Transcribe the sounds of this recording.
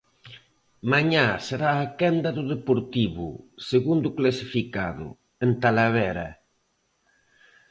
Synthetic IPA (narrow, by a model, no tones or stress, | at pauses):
maɲaseɾaːkɛnd̪ɐðʊðepoɾt̪iβʊ̰seɣund̪ʊklasifikaðʊ̰ | ent̪alaβɛɾɐ̰